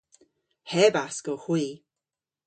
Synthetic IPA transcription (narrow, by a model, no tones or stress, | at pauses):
hɛbasɡ̥ɔxwiː